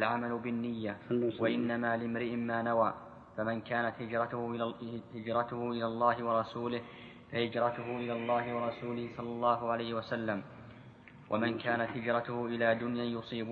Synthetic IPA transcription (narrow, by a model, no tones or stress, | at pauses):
lʕamalʊbɪnːɪjːawaʔɪnːamaːlɪmɾɪʔɪːaːnawaː | famɪnkaːnat̪hɪd͡ʒɾɑʊhɪd͡ʒɾˤɑt̪ʊhʊʔɪlaːlˤːɑːhɪwɑɾˤɑsuːlɪh | fahɪd͡ʒɾˤɑt̪ʊɦʊʔɪlaːlˤːɑːɦɪwɑɾˤɑsuːlɪhɪsˤɑlːɑlˤːɑːɦʊʕalajhɪwasalːam | wʔa̰mɪnkaːnat̪hɪd͡ʒɾˤɑt̪ʊhʊʔɪlaːd̪ʊnjajʊsˤiːb